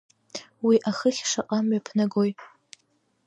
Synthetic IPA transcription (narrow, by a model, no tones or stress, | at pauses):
wiʔaχəχʲʂaqʼamɥapʰnɨɡoj